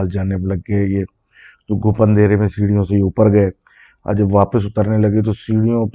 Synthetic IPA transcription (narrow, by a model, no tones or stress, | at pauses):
sd͡ʒaːneplɐɡːɐjeː | t̪oːɡʱʊpə̃nd̪ʱeːɾemẽsiːɽijõseʊpəɾɡɐeː | a̰d͡ʒəbʋaːpəsʊt̪əɾnelɐɡet̪̬osiːɽijõp